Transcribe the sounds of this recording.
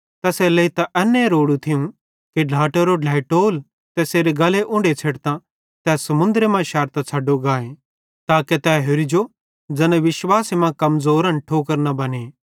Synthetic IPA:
t̪ɐsɛlɐit̪aʔɛnːẽɾoːɽut̪ʰɪũ | kiɖʱaːʈeɾoɖʱɛːɪʈoːl | t̪ɛseːɾeɡɐleʔʊ̃ɳɖet͡sʰeːɽt̪ã | t̪ɛːsɐmʊ̃nd̪ɾemãʃɛːɾt̪ãt͡sʰɐɖoɡaːẽ | t̪aːket̪ɛːɦʊɾɪd͡ʒo | d͡zɐnɛ̃ʋɪʃwaːsimãkɐmzoːɾɐ̃nʈʰoːkəɾnɐbɐneː

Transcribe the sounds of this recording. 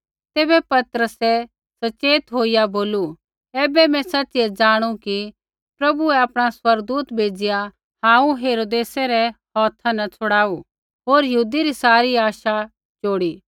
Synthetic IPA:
t̪eːbɛpɐt̪ɾəsɛ | sɐt͡ʃeːt̪ɦoːijaboːlu | ɛːbɛmɛ̃sɐtːt͡ʃiɛd͡ʒaːɽ̃ũki | pɾɐbuɛaːpɽ̃aswɐɾɡ̚d̪uːt̪bʱeːd͡ʒɪja | hãːũɦeːɾoːd̪eːsɛɾɛhɔːt̪ʰanɐt͡sʰʊɽaːu | ɦoːɾjɐɦuːd̪iɾisaːɾiaːʃa | t͡ʃoːɽiː

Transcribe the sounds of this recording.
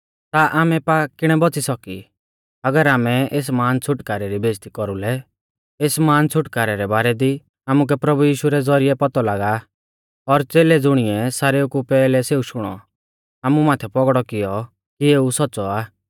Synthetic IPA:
t̪aʔaːmɛpakɪɽ̃ɛbɔt͡sisɔki | ɐɡəɾaːmɛeːs̬maːnt͡sʰʊʈkaːɾɛɾibeːd͡ʒt̪ikɔɾulɛ | eːsmaːnt͡sʰʊʈkaːɾɛɾɛbaːɾɛd̪i | aːmuk̬ɛpɾɐbujiːʃuɾɛd͡zɔɾɪɛpɔt̪ɔlaːɡa | ɔɾt͡seːled͡zʊɽ̃ɪɛsaːɾeukupɛːlɛseːuʃʊɽ̃ɔ̰ | aːmumaːt̪ʰɛpɔɡɽɔkɪjɔ | kieːusɔtːsɔaː

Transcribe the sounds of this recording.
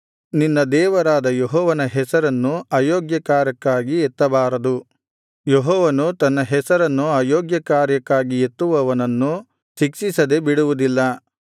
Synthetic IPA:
ninːɐd̪ɛːʋɐɾaːd̪ɐjɔɦɔːʋɐnɐɦɛsɐɾɐnːuaːjoːɡjɐkaːɾɐkːaːɡiet̪ːɐbaːɾɐd̪u | joɦɔːʋɐnut̪ɐnːɐɦɛsɐɾɐnːuaːjoːɡjɐkaːɾjɐkːaːɡiet̪ːuʋɐʋɐnɐnːu | ʃikʂisɐd̪e̞biɽuʋud̪ilːɐ

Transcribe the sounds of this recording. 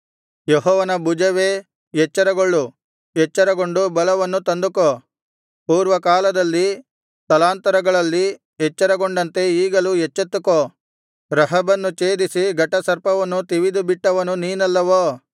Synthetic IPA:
jeɦɔːʋɐnɐbud͡ʒɐʋe̞ː | jɛt͡ʃːɐɾɐɡoɭːu | jɛt͡ʃːɐɾɐɡo̞ɳɖubɐlɐʋɐnːut̪ɐnd̪uko | puːɾʋɐkaːlɐd̪ɐlːi | t̪ɐlaːnt̪ɐɾɐɡɐɭɐlːi | ɛt͡ʃːɐɾɐɡoɳɖɐnt̪e̞iːɡɐlujɛt͡ʃːet̪ːuko | ɾɐɦɐbɐnːut͡ʃeːd̪isiɡɐʈːɐsɐɾpɐʋɐnːut̪iʋid̪ubiʈːɐʋɐnuniːnɐlːɐʋoː

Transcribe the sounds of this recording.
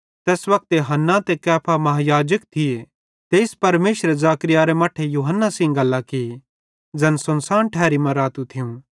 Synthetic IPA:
t̪ɛːsʋɐk̚t̪jɐɦɐnːat̪ekɛːpʰamɐɦajaːd͡ʒəkt̪ʰɪe | t̪eːɪspɐɾmeːʃɾezaːkɾijaːɾemɐʈʰejuːɦənːasɪ̃ŋɡɐlːakɪ | d͡zɐnsɐnsaːnʈʰɛːɾimɐ̃ɾaːt̪ut̪ʰɪjũ

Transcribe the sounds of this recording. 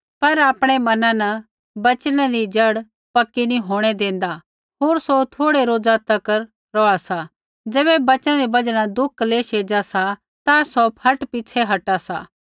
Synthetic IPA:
pɐɾaːpɽ̃emɐnãnɐ | bɐt͡ʃənãɾid͡ʒɐɽ | pɐkːinĩɦoːɽ̃ed̪ẽːnd̪a | ɦoːɾsot̪ʰoːɽeɾoːd͡zat̪ɐkəɾ | ɾɔasa | d͡ʒɛːbɛbɐt͡ʃənãɾibɐd͡ʒɽ̃ãd̪ʊkʰːleʃeːd͡ʒasa | t̪asɔpʰɐʈpɪt͡ʃʰeɦɐʈasa̰ː

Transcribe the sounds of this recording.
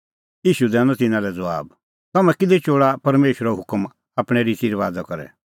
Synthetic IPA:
iːʃud̪ɛːnɔ̃t̪ɪnãlɛd͡zɐʋa̰ːb | t̪ɐmɛ̃kɪd̪ɛt͡ʃoːɽapɐɾmeːʃɾɔɦʊkm | aːpɽ̃ɛɾit͡ʃiːɾʋaːd̪akɔɾɛ̰

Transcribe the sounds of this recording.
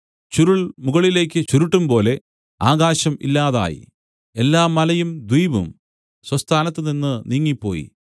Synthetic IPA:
t͡ɕuɾuɭmuɣɐɭile̞ːk̬ʲːɨt͡ɕuɾuʈːumpo̞ːle̞ | aːɣaːɕɐmḭlːaːða̰ːjḭ | e̞lːaːmːɐlɐjumd̪wijʋṵm | swɐst̪ʰaːnɐt̪ːɨninːɨniːŋːipːo̞̰ːjḭ

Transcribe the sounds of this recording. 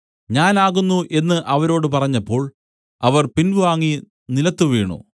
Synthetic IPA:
ɲaːnaːɣunːuʔe̞nːɨʔɐʋɐɾo̞ːɽɨpɐrɐɲːɐpːo̞ːɭ | ɐʋɐrpinbɨʋaːŋːi | nilɐt̪ːuʋiːɳṵ

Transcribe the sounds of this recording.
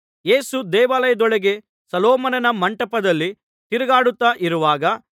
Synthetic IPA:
je̞ːsud̪ɛːʋaːlɐjɐd̪ɔɭeɡe̞ | sɐlɔːmɐnɐnɐmɐɳʈɐpɐd̪ɐlːi | t̪iɾɐɡaːɽut̪ːaʔiɾuʋaːɡɐ

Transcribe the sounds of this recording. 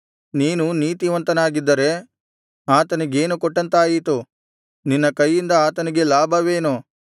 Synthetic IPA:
niːnuniːt̪iʋɐnt̪ɐnaːɡid̪ːɐɾe̞ | aːt̪ɐniɡe̞ːnukɔʈːɐnt̪aːjit̪u | ninːɐkɐjːind̪ɐaːt̪ɐniɡe̞laːbʱɐʋe̞ːnu

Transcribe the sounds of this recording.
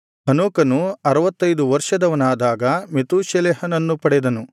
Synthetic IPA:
ɦɐnoːkɐnuɐɾɐʋɐt̪ːɐjd̪uʋɐɾʂɐd̪ɐʋɐnaːd̪aːɡɐmet̪uːʃjɐleːhɐnɐnːupɐɽɛd̪ɐnu

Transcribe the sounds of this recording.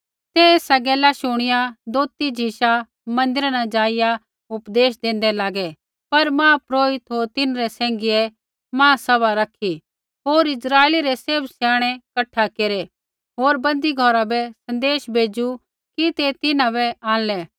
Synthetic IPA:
t̪ɛeːsaɡɛːlaʃʊɽ̃ɪjad̪oːt̪id͡ʒʱiʃa | mɐ̃nd̪ɪɾanad͡ʒaːɪja | ʊpd̪eːʃd̪ẽːnd̪ɛlaːɡɛ | pɐɾmãːpɾoːɪt̪ɦoːɾt̪ɪnɾɛsɛ̃ːŋɡiɛ | mãːsɐbaɾɐkʰi | ɦoːɾɪsɾaːeːliɾɛseːbsjaːɽ̃ɛkɐʈʰːakeɾɛ | ɦoːɾbɐ̃nd̪iɡʱɔɾabɛsɐ̃nd̪eːʃbʱeːd͡ʒu | kit̪et̪ɪnãbɛãːnlɛː

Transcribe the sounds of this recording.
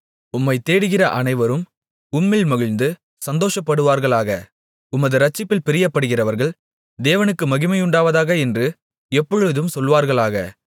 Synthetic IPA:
ʊmːɐɪt̪eːɽɯɣɪrɐʔɐnɐɪʋɐɾɯm | ʊmːɪlmɐɣɪnd̪ɯ | sɐnd̪oːʂɐpːɐɽɯʋaːɾɣɐɭaːɣɐ | ʊmɐðɯɾɐt͡ʃːɪpːɪlpɪɾɪjɐpːɐɽɯɣɪrɐʋɐɾɣɐɭ | d̪eːʋɐnɯkːɯmɐɣɪmɐjʊɳɖaːʋɐðaːɣɐɛndrɯ | ɛpːɔɻɯðɯmsɔlʋaːɾɣɐɭaːɣɐ̰

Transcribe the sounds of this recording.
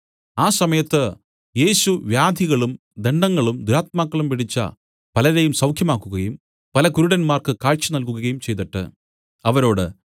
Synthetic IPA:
aːsɐmɐjɐt̪ːɨ | je̞ːɕuʋjaːd̪ʱiɣɐɭum | d̪e̞ɳɖɐŋːɐɭumd̪uɾaːt̪̚maːkːɐɭumʋiɽit͡ɕːɐ̰ | pɐlɐɾejumsɐwkʰjɐmaːkːuɣɐjum | pɐlɐkuɾuɽɐnmaːrkɨkaːɭt͡ɕɨnɐlk̬uɣɐɣɐjumt͡ɕe̞jt̪ɐʈːɨ̰ | ɐʋɐɾo̞ːɽɨ̰

